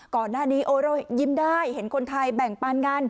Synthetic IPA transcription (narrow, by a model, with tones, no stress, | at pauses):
kɔː˨˩naː˧˥˩niː˦˥ʔoː˧ɾoː˧˩zi˧mdaː˧˩jhe˨˩˦nkʰo˧nt̪ʰa˧jɓɛ˨˩ŋpaː˧nŋa˧n